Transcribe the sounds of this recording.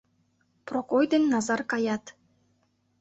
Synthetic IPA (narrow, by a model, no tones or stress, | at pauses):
prokojd̪enːɑzɑrkɑjɑt̪